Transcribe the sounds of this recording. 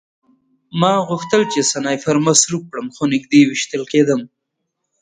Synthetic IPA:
mɑɣʊxt̪əlt͡ʃesanɑjfaɾmasɾuk̚kɽəmxonɪk̚d̪ewɪʃt̪əlked̪əm

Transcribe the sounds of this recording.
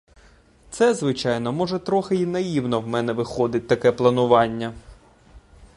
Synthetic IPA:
t̪sɛzʋɪt͡ʃɑjnɔmɔʒɛt̪ɾɔxɪinɐjiwnɔwmɛnɛʋɪxɔd̪ɪt̚ʲt̪ːɐkɛplˠɐnʊʋɑnʲːɐ

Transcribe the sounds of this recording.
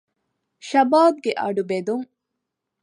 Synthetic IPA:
ʃɐbaːb̚ɡeʔɐ̰ɖubed̪uŋ

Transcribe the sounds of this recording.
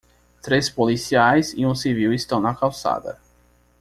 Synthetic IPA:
t̪ɾespolisiajsḭũsiviwist̪ɐ̃w̃nɐkawsa̰d̪ɐ̰

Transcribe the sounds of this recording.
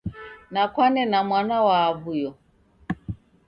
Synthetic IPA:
nakwanɛnamwanawaβujɔ

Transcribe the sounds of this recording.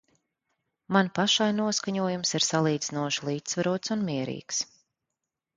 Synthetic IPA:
manpaʃajnuɔskaɲuɔjumsiɾsalˠiːd̪zinuɔʃulˠiːt̪svaɾuɔt̪sunmʲiɛɾḭːks

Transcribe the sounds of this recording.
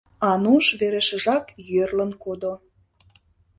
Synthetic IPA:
ɑnuʃβeɾeʃə̆ʒɑkjørlənkod̪o

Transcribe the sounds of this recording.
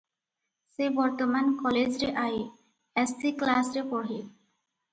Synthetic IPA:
sebɔɾt̪omankɔled͡ʑɾeʔaj | ɛsiklasɾepɔɽɦe

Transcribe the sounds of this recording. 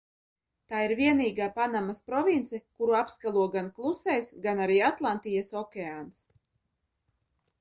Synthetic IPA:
t̪aːiɾviɛniːɡaːpanamaspɾɔvʲint̪sɛkuɾuapskalˠuɔɡanklˠusɛjsɡanaɾiːat̪lˠant̪ijasɔkʲeaːns

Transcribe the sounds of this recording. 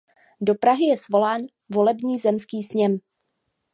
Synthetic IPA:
do̞pɾaɦɪjɛsvo̞laːn | vo̞lɛbɲiːzɛmskiːsɲɛm

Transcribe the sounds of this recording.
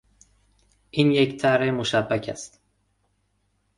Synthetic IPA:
ʔiːnject̪ʰæɾemoʃæbːæcʰæ̰st̪

